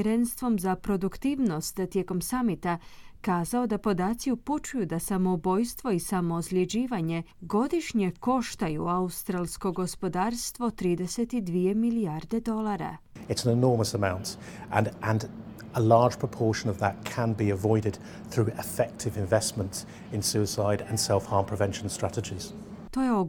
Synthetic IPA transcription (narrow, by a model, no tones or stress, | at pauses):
ɾe̞nst̪ʋo̞mzapɾo̞d̪ukt̪iːʋno̞st̪t̪ːje̞ko̞msamit̪akaːzao̞d̪apo̞d̪aːt̪siuput͡ʃujud̪asamo̞ubo̞jst̪ʋo̞isamo̞ːzlʲjed͡ʑiːʋaɲe̞ɡo̞d̪iʃɲe̞ko̞ʃt̪ajṵaust̪ɾalˠsko̞ɡo̞spo̞d̪aːɾst̪ʋo̞t̪ɾiːd̪ese̞t̪id̪ʋije̞miliaɾd̪e̞d̪o̞laɾa̰ | ɪtsə̃n̩ɪnɔːməsəmãʊ̃ntə̃nʔə̃n | əlɑ̥ːʒ̥pʰɹ̥əpʰɔˑʃə̃nəvðət̚kʰə̃nbiəvɔɪɾɪd̪̥̚ | θɹʉːɪfɛk̚tʰɪvɪ̃ɱvɛsmə̃nts | ɪ̃nsʉɪsaɪɾə̃nsɛlˠfhɑːmpʰɹ̥əvɛ̃nʃə̃n̩stɹ̥atɪd͡ʒɪz̥ | t̪o̞jeo